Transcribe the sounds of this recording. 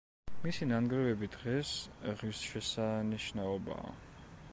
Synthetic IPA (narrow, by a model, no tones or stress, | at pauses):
misinanɡɾɛvɛbid̪ʁɛsʁisʃɛsaniʃnaɔba̰ː